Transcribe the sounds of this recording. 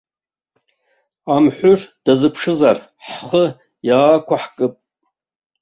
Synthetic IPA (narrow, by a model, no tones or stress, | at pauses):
amħʷʊrd̥azɨpʰʂɨzar | ħχə | jaːkʷaħkʼɨpʼ